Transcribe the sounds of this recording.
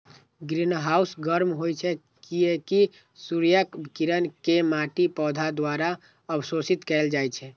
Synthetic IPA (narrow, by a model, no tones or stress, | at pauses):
ɡɾinɦausɡəɾmɦojt͡ʃʰɛ | kieki | suɾijəkbkiɾənkemaʈipɔd̪ʱad̪waɾa | əbsosit̪kɛld͡ʒajt͡ʃʰɛ